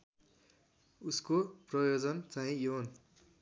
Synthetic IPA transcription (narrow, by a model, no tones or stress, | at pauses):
uskoprʌjod͡zʌnt͡saɦĩjon